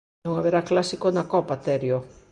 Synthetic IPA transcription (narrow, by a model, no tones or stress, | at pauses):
õŋaβeɾaklasikonakɔpat̪ɛɾjo